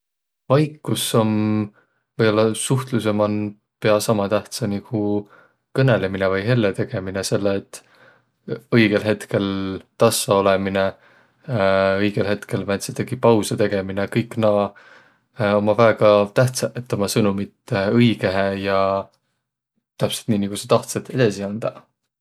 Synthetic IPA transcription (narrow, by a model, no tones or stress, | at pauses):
vɑjkːuso̞m | vɤjbo̞lːɑsuht̪luse̞mɑn | pe̞ɑsɑmɑt̪æht̪sɑniku | kɤne̞le̞minevɯjɦe̞lːet̪e̞ɡ̥e̞minese̞lːeːt̪ːˑ | ɤjɡ̥e̞lɦe̞t̪ke̞lt̪ɑsːɑo̞lemine | ɤjɡ̥elɦe̞t̪ke̞lmæt̪ʲset̪eɡipɑwsɑt̪e̞ɡ̥e̞minekɤjkːˑnɑː | o̞mɑvæːɡ̥ɑt̪æht̪sɑet̪ːo̞mɑsɤnumit̪ɤjɡe̞ɦejɑ | t̪æpselt̪niːnikuset̪ɑht̪set̪e̞d̪̥ɑsiɑnd̪̥ɑ